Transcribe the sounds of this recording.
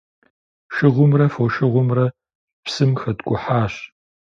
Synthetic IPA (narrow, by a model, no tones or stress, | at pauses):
ʃɪʁʷʊmrɐfoʃɪʁʷʊmrɐ | psɨmxɐdkʷʼʊħaːɕ